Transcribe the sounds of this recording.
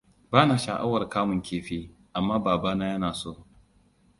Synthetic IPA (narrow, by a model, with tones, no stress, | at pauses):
baː˦naː˨ʃa˨ʔa̰˦wɐ˨rkaː˦mʊ˨ŋkʲʰeː˨ɸeː˦ | ʔa˨mːaː˦baː˨baː˦naː˦jɐ˦naː˨soː˦˨